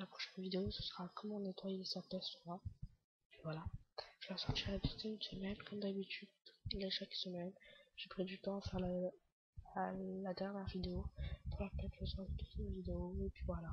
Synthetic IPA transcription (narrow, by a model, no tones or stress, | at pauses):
lapχɔ̥ʃɛnvid̪eosəsəʁakɔmɔ̃net̪wajesat̪ɛsʁa | pivwalaʒ̥əvasɔʁt̪iʁaad̪it̪ɛ̃ynsəmɛnkɔmd̪abit̪yd̪t̪u̥tleʃaksəmɛnʒ̥epχid̪yt̪ɑ̃afɛʁla | lad̪ɛʁnjɛʁvid̪eopuʁlapɛ̃ʒəsɔd̪t̪u̥t̪ynvid̪eoepɥivwala